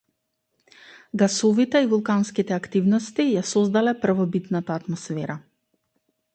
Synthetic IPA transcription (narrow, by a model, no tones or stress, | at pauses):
ɡasɔvit̪ɛivulˠkanskit̪ɛakt̪ivnɔst̪ijasɔzd̪alɛpr̩vɔbit̪nat̪aːt̪mɔsfɛɾa